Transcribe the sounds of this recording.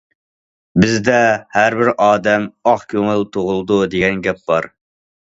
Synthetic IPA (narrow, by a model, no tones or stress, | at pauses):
bɪzd̪ɛhæɾbɪɾʔɑːd̪ɛmɑχkʲʰøŋɨlt̪ʰoʁʊlˠɨd̪ud̪eɡʲɛnɡʲɛp̚bɑɾ